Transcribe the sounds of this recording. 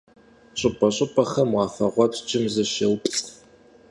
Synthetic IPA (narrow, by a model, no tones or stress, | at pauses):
ɕʼɪpʼɐɕʼɪpʼɐχɐmwɑːfɐʁʷɔpd͡ʒɪmzɐʃɐwpʼɬʼ